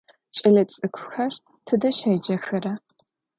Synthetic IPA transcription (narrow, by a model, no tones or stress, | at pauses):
t͡ʃʼɐɮɐt͡sʼɨkʷʰʊ̥xɐr | tʰɨdɐʃɐjd͡ʒɐxɐrɐ